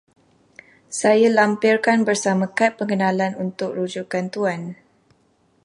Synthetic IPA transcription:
sajalampirkanbərsamãkat̪̚pəŋɡənãlanunt̪ʊk̚rud͡ʒukant̪uan

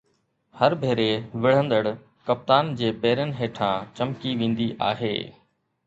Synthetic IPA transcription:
həɾbʱeːɾeʋɪɽ̤ə̃nd̪əɽ | kɐp̚t̪aːnd͡ʑeːbeːɾənɪ̆ɦeːʈʰãːt͡ɕɐmkiʋẽːn̆d̪iʔa̰ːɦḛː

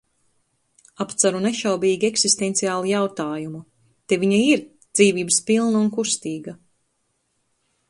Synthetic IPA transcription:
apt̪saɾuneʃawbiːɡʲieksist̪ent̪sijaːlˠijawt̪aːjumu | t̪eviɲaiɾ | d̪z̥iːviːbɨspilˠnunkust̪iːɡa

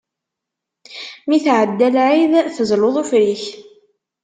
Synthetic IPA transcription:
miθʕəd̪ːælʕiðθəzloðˤufɾiç

